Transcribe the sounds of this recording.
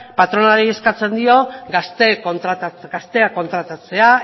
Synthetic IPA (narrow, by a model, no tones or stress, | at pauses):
pat̪ɾo̞naɾie̞skat͡se̞nd̪io̞ɡast̪e̞kont̪ɾat̪at͡sɡast̪e̞ako̞nt̪ɾat̪at͡se̞a